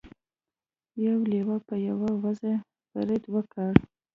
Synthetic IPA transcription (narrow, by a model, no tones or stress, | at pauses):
jawlewapəjawawaze | ba̰ɾɪd̪wəkaɽ